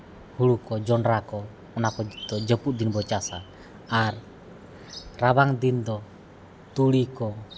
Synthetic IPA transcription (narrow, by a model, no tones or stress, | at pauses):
hulukɔd͡ʒɔnɾakɔ | ɔnakɔd̪ɔd͡ʒəpuʔd̪inbɔt͡ʃasa | ar | raβaŋd̪ind̪ɔ | t̪ulikɔ